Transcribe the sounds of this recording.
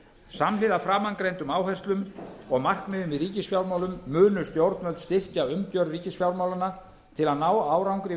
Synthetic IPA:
samlɪðafɾaːmankɾejnt̪ʏmaːwɦaɛ̥st̪lʏmɔɣmar̥kmɪðʏmvɪðriːcɪsfjawɾmaːwlʏmːʏːnʏst̪jowɾt̪nvœlt̪st̪ɪr̥caʏmt̪jœɾriːcɪsfjawɾmawlana | t̪ʰɪlaðnaːwaːwɾawŋkɾɪ

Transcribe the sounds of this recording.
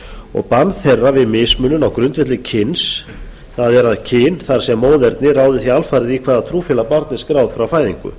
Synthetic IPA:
ɔ̰ɣpanθɛrːavɪðmɪːsmʏnːʏnawkɾʏnt̪vɛt̪lɪcʰɪns | θaðɛɾaðcʰɪːnθaɾ̥sɛmːoːwðɛɾt̪nɪraːwðɪθialfaɾɪðikʰvaːðat̪ʰɾuːfɪlapaɾt̪nɪ̥skɾaːwð̥fɾawfaːjðiŋkʏ̰

